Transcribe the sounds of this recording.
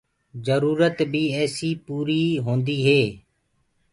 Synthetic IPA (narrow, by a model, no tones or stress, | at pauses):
zəɾuːɾət̪biːɛːsiːpuːɾiːɦõːnd̪iːɦeː